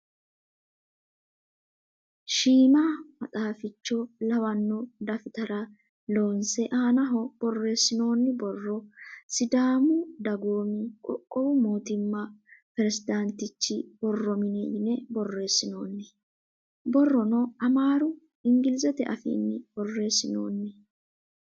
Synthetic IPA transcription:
ʃiːmamɐt̪ʼaːfɪt͡ʃːɔlɐwɐnːʊd̪ɐfɪt̪ɐɾɐ | loːnsɛʔaːnɐɦɔb̥ɔrːe̞ːsːɪno̞ːnːɪbɔrːɔsɪd̪aːmʊd̪ɐɡoːmɪkʼɔ̰kʼːɔwʊmoːt̪ɪmːɐpɛɾɛsɪd̪ɐnt̪ɪt͡ʃːɪb̥ɔrːɔmɪnɛjɪnɛbɔrːe̞ːsːɪno̞ːnːɪ | bɔrːɔnɔɐmaːɾʊ | ɪŋɡɪlɪzɛt̪ɛʔɐfḭːnːɪb̥ɔrːe̞ːsːɪno̰ːnːɪ

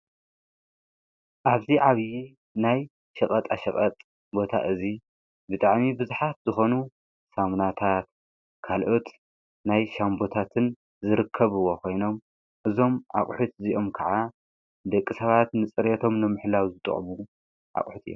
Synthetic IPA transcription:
ʔaβziʕaβji | naj | ʃɐkʼɐt̪ʼaʃɐχʼɐt̪ʼ | bo̞t̪ʰa̰ʔɨzi | bɨt̪ʼaʕmibɨzuħat̪zɨxo̞nu | samnat̪ʰat̪ | kʰalʔot̪ | najʃambo̞t̪ʰat̪ʰɨn | zɨɾɨkʰːɐβɨwːo̞kʰo̞jno̞m | ʔɨzo̞mʔa̰χʼħut̪ziʔo̞mkʰaʕa | d̪ɐkʼːisɐβat̪nɨt͡sʼɨɾet̪ʰo̞mnɨmɨħlawzɨt̪ʼɨ̰χʼmu | ʔa̰χʼħut̪ɨjːo̰m

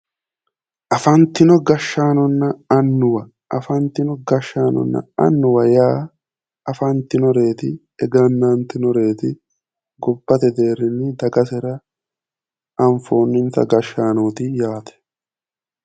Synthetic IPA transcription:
ʔɐfɐnt̪ɪnɔɡɐʃːaːnɔnːɐɐnːʊwɐ | ʔɐfɐnt̪ɪnɔɡɐʃːaːnɔ̰nːɐ̰ɐ̰nːʊwɐjaː | ɐfɐnt̪ɪnɔɾe̞ːt̪ɪ | ɛɡɐnːɐnt̪ɪnɔɾe̞ːt̪ɪ | ɡɔbːɐt̪ɛd̪e̞ːɾːɪnːɪd̪ɐɡɐsɛɾɐ | ʔɐɱfoːnːɪnt̪ɐ̰ɡɐʃːaːnoːt̪ɪjaːt̪ɛ̥

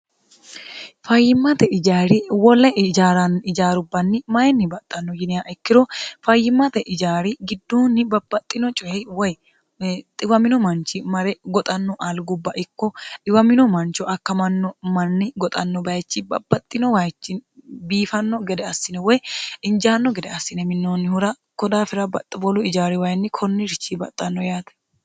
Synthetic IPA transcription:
fɐjːɪmːɐt̪ɛɪd͡ʒaːɾɪwɔlːɛd͡ʒaːɾɐnɪd͡ʒaːɾʊbːɐnːɪmɐjɛnːɪbɐt̪ʼːɐnːɔjɪnɪjaːʔɛkːɪɾɔfɐjːɪmːɐt̪ɛʔɪd͡ʒaːɾɪɡɪd̪ːuːnːɪbɐbːɐt̪ʼːɪnɔt͡ʃʼɔhɛwɔj | t̪ʼɪwɐmɪnɔmɐnt͡ʃɪmɐɾɛɡɔt̪ʼɐnːɔʔalɡʊbːɐʔɪkːɔʔɪwɐmɪnɔmɐnt͡ʃɔʔɐkːɐmɐnːɔmɐnːɪɡɔt̪ʼɐnːɔbɐjt͡ʃːɪbɐ̰bːɐt̪ʼːɪnɔwɐjt͡ʃːɪnbiːfɐnːɔɡɛd̪ɛɐsːɪnɛwɔjɪnd͡ʒaːnːɔɡɛd̪ɛɐsːɪnɛmɪnːoːnːɪhʊɾɐ | kɔd̪aːfɪɾɐbɐ̰t̪ʼːɐbɔlɔɪd͡ʒaːɾɪwɐjnːɪkʰɔnːɪɾɪt͡ʃːibɐ̰t̪ʼːɐnːɔjaːt̪ɛ̥

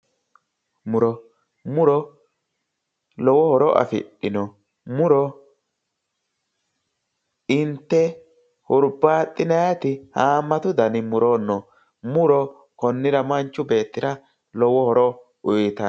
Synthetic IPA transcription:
mʊɾɔ | mʊɾɔ | lɔwɔhɔɾɔʔɐ̰fɪ̰ɗɪnɔ | mʊɾɔ | ɪnt̪ːɛ | hʊɾbaːt̪ʼːɪnɐjɐt̪ɪhaːmːɐt̪ʊd̪ɐnɪmʊɾonːɔ | mʊɾɔ | kɔnːɪɾɐmɐnt͡ʃːʊbe̞ːt̪ːɪɾɐ | lɔwɔhɔɾɔ | ʊjt̪ɐ

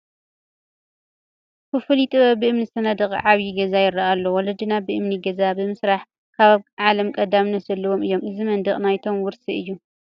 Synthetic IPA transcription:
kɨfɨlit̪ʼɨβɐbɨɨmnisɐnɐd̪ɨχʼʕaβjiɡɐzajɪrːaʔalːowɔlɐd̪inabɨʔɨmniɡɐzabɨmɨsɾaħ | kʰaββʕalɐmkʼɐd̪amnɐzɐlːɐwo̞mɨjːo̞mʔɨzimɐnd̪ɐχʼnajt̪ʰo̞mwʊɾsiʔɨjːu

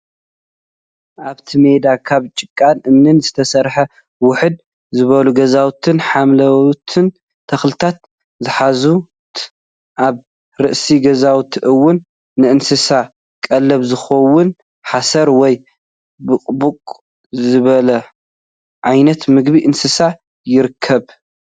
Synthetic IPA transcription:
ʔaβt̪ʰime̞d̪akʰaβt͡ʃʼɨkʼːanʔɨmnɨnzɨt̪ʰɐsɐɾħɐ | wʊħɨd̪̚ | zɨβɐluɡɐzawt̪ʰɨnħamlɐt̪ʰɨn | t̪ʰɐxlɨt̪ʰat̪̚ | zɨħazu | ʔaβ | ɾɨʔsiɡɐzawt̪ʰʔɨwːʊnː | ɨʔɨnsɨsa | kʼɐlːɐβzɨxɐwʊn | ħasɐɾwɔj | bɨkʼbukʼ | zzɨβɐlɐ | ʕajnɐt̪mɨɡbiʔɨnsɨsa | jɪɾɨkʰːɐβ

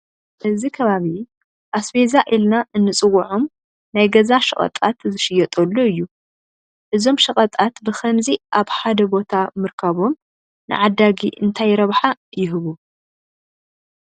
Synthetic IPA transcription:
ʔɨzikʰɐβaβi | ʔasbe̞zaʔilnaʔɨnːɨt͡sʼɨwːɐʕom | najɡɐzaʃɐχʼɐ̰t̪ʼat̪zɨʃɪjɛt̪ʼɐlːoɨjːu | ʔɨzo̞mʃɐχʼɐt̪ʼat̪bɨxɐmziʔaβħad̪ɐbo̞t̪ʰamɨɾkʰɐβo̞m | nɨ̰ʕad̪ːaɡiʔɨnt̪ʰajɾɐβħajɪɦɨβu

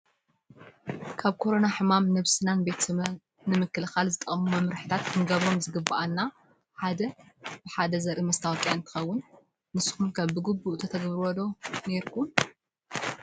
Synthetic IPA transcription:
kʰaβkʰo̞ɾo̞naħɨmamnɐβsɨnanbe̞t̪ɨ | nɨmɨkːɨlɨxalzɨt̪ʼːɐʔʼmumɐmɾɨħɨt̪ʰat̪kʰɨnɡɐβɾo̞mzɨɡɨbːaʔanːa | ħad̪ɐb̥ɨħad̪ɐzɐɾʔimɐst̪ʰawk̪ʼjaɨnt̪ʰɨ̥xɐwːʊnː | ɨsɨ̥xunkʰɐβbɨɡɨbːuʔt̪ʰɐt̪ʰɐɡɐβɾɔlo̞ne̞ɾkʰun

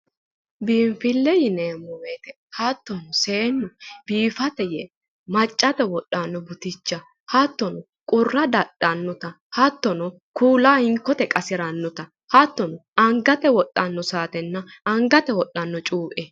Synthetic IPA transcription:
biːmfɪlːɛjɪneːmːɔweːt̪ɛ | hɐt̪ːɔnɔseːnːɔbiːfɐt̪ɛjɛ | mɐt͡ʃʼːɐt̪ɛwɔɗːɐnːɔbʊt̪ɪt͡ʃːɐ | hɐt̪ːɔnɔ | kʼʊrːɐd̪ɐɗːɐnːɔt̪ɐ | hɐt̪ːɔnɔ | kʰuːlaːhɪŋkːɔt̪ɛkʼɐsɪɾɐnːɔt̪ɐ | hɐt̪ːɔnɔɐŋɡɐt̪ɛwɔɗʼːɐnːɔsaːt̪ɛnːɐɐŋɡɐt̪ɛwɔɗːɐnːɔt͡ʃʼuːʔɛ

